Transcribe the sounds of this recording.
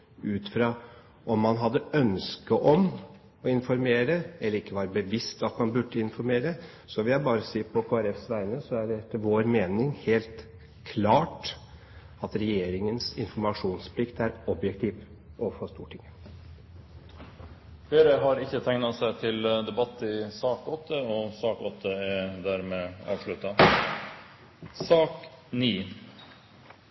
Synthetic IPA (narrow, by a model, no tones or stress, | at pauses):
ʉːt̪fɾɑː | ʔɔmːɑnɦɑd̪ːəœnskəʔɔm | ɔɪnfɔɾmeːɾəɛlːəɾɪkːəʋɑːɾəbəʋɪst̪ɑt̪mɑnbʉɖːəɪnfɔɾmeːɾə | sɔʋɪljæɪbɑːɾəsiːpʰɔkʰoːæɾɛfsʋæɪɾənəsɔæɖɛɛt̪ʰːəʋoːɾmeːnɪŋheːlt̪ | kʰlɑːʈ | ɑt̪ɾɛjeːɾɪŋənsɪnfɔɾmɑʂuːnspʰlɪkt̪æɾɔbjɛkt̪ʰiːʋ | ʔɔfoːst̪ṵːʈʰɪŋə | feːɾəɦɑɾɪçːət̪ʰɛŋnɑsæɪt̪ʰɪld̪ɛbɑt̪ːɪsɑːkɔt̪ʰːəɔsɑːkɔt̪ʰːəɛd̪æɾmeːɑ̰ːʋʂɭʉt̪ːɑ | sɑːkniː